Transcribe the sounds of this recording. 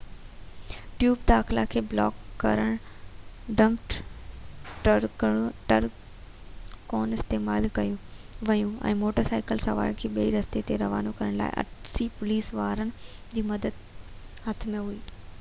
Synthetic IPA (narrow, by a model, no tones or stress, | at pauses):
ʈjuːbd̪aːxɪlakʰeːblɔ̰ːkːɐ̰ɾəɽ̃ | ɖɐ̃mʈ | ʈəɾ | koːnɪst̪eːmaːlkɐjũ | ʋɐjũɛ̰̃ːmoːʈəɾsaːɪkəlsɐʋa̰ːɪɽkʰeːɓiiɾɐst̪et̪eɾɐʋa̰ːnokɐɾəɽ̃la̰ːɪ̰ʔɐ̰ʈʰsipʊliːsʋaːɾənɪ̆d͡ʑiːmɐd̪əd̪ | ɦɐt̪ʰmẽɦuiː